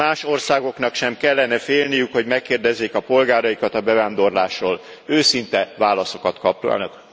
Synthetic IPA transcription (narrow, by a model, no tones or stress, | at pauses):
aːʃo̞rsaːɡo̞knɒkʃɛmkɛlːɛnɛfeːlnijykho̞ɟmɛkːeːrd̪ɛzːeːkɒpo̞lɡaːɾɒjikɒt̪ɒbɛvaːnd̪o̞rlaːʃroːl | øːsint̪ɛvaːlɒso̞kɒt̪kɒp̚t̪ua̰lnɒk